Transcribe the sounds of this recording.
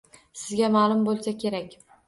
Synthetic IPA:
sɪzɡʲamaːlˠʊmbolˠsakʲʰe̞ɾakʲ

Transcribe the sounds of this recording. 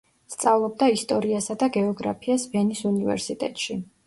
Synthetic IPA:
st̪sʼavlˠɔb̚d̪aist̪ʼɔɾiasad̪aɡɛɔɡɾa̰pʰiasvɛnisunivɛ̰ɾsit̪ʼɛ̰t̪ʼʃi

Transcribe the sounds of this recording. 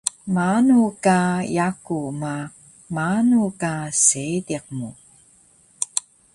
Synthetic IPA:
manukajakuma | manukasediq̚mu

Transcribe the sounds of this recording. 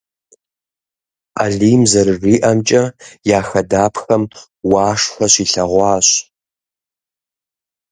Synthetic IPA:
aɮiːmzɐrɨriːʔɐmt͡ʃʼɐjaːxɐdaːpxɐm | wɑːʂfɐɕiɬɐʁʷɑːɕ

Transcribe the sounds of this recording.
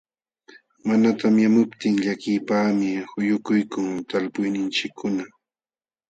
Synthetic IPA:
manat̪amjamʊpt̪ɪŋʎakɪjpaːmɪhʊjʊkʊjkʊŋt̪alpʊjnɪnt͡ʃɪkʰːʊna

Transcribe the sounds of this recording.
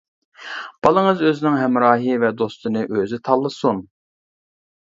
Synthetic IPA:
b̥ɑlˠəŋɨzøzɪnɪŋɦɛmɾɑːɦɨvɛd̪ost̪ɨnɨʔøzɪt̪ʰɑlˠːɨsun

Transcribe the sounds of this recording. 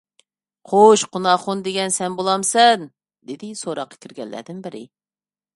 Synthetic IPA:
qʰoʃqʰunɑχund̪eɡʲɛnsɛnbolˠɑmsɛn | d̪ɪd̪ɪsoɾɑqːɑ̥kʲiɾɡʲɛ̰lːæ̰ɾd̪ɪnbɪɾɪ

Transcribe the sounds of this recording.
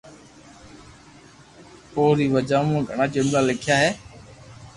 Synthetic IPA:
poːɾiːʋəd͡ʒãːmũːɡʱəɳ̃aːd͡ʒenlaːlɪkʰjaːɦeː

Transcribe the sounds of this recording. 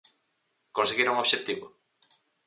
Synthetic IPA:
konseɣiɾuŋoβʃet̪iβo

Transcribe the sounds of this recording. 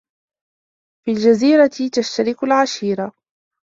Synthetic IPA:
fiːld͡ʒaziːɾat̪ɪt̪aʃt̪aɾɪkʊlʕaʃiːɾa

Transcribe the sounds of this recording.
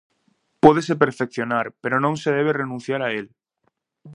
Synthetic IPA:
pɔðesep̬eɾfekθjonaɾpeɾonõŋseð̞eβ̞erenũn̟θjaɾael

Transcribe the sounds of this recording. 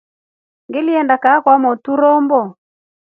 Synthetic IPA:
ŋɡeliɛndakaːkwamɔtuɾɔmbɔ

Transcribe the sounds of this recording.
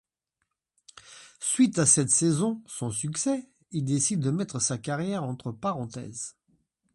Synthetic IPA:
sɥit̪asɛt̪sɛzɔ̃sɔ̃syksɛ | ild̪esid̪ːəmɛt̪χəsakaʁjɛʁɑ̃t̪χəpaʁɑ̃t̪ɛ̰z

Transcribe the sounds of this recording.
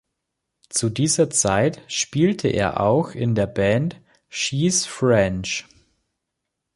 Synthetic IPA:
t͡sudiːzɐt͡saɪtʃpiːltʰəʔḛːɐʔa̰ʊxɪndeːɐbɛnt | ʃiːsfʁɛnt͡ʃ

